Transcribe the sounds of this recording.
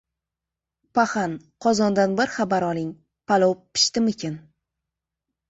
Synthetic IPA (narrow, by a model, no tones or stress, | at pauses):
paχan | qʰɒzɒnd̪anbɪɾχabaɾɒlˠɪŋ | pʰalˠowpʰːɪ̥ʃt̪ɪmɪkʲʰɪn